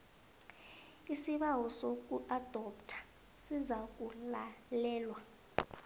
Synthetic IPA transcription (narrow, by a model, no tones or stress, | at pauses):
isiɓawɔsok̬ʼuʔad̥ʱɔptʰḁ | sizak̬ʼulalɛːlwa